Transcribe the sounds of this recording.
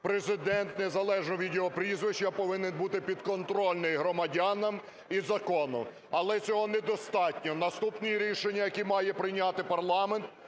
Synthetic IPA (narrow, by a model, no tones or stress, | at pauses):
pɾezɪd̪ɛnt̪nezɐlˠɛʒnɔʋʲid̪ʲeɔpɾʲizʋɪʃt͡ʃɐpɔʋɪnɪnbut̪ɪpʲid̪kɔnt̪ɾɔlʲnɪjɦɾɔmɐdʲanɐm | izɐkɔnɔ | ɐlˠɛt͡sʲɔɦɔnɛd̪ɔst̪ɑtʲnʲɔnɐst̪upnijiɾʲiʃenʲːɐjɐkʲimɑjɛpɾɪnʲat̪ɪpɐrlˠɑment̪